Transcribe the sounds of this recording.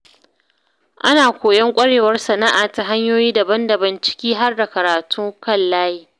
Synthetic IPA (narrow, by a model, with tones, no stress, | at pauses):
ʔa˦naː˨kʷoː˨jɐ˦ŋkʷʼɐ˦ɽeː˨wɐ˦rsɐ˨na˦ʔaː˨ta˨ɦa˦ɲjoː˦jiː˦dɐ˨bɐ˦ndɐ˨bɐ˨nt͡ʃɪ̥˦kʲiː˦ɦa˦rda˨kɐ˨ɾaː˨tʰu˦ŋkɐ˦˨llaː˦jiː˦